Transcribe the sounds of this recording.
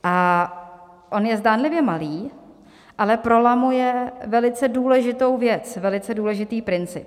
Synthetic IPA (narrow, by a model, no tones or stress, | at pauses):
ʔa | ʔo̞njɛzdaːnlɪvjɛmaliː | ʔalɛpɾo̞lamujɛvɛlɪt͡sɛduːlɛʒɪt̪owvjɛt͡svɛlɪt͡sɛduːlɛʒɪt̪iːpɾɪnt͡sɪp